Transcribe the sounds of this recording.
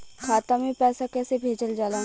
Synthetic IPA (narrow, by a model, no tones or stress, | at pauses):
kʰaːt̪amẽpɛːsakɛːsebʱeːd͡ʒəld͡ʒaːla